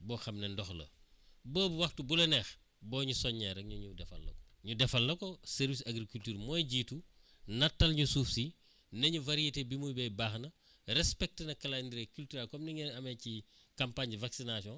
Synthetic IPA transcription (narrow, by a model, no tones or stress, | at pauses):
bɔxɐmnendɔxlɐ̰bəːbuwɐxtubulɐnɛx | bɔːɲusɔɲːɛɾɐk̚ɲuɲudɛfɐ̰lːɐ̰kɔ | ɲudɛfɐlːɐkosɛɾvisɐɡɾikultyːɾmɔjɟiːtu | nɐtːɐlɲusuːfsi | nɐɲuvɐɾietebimujbɛjbaːxnɐ | ɾɛspɛk̚tənɐkɐlandiɾekyltyɾɛlkɔmniŋɛnɐmeci | kampaɲɟivaksinasɔ̃